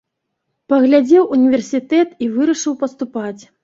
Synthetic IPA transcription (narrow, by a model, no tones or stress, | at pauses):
pɐɣlʲad͡zʲɛwʔunʲivʲɛrsʲit̪ɛt̪ivɨɾɐʂɨwpɐst̪upat͡sʲ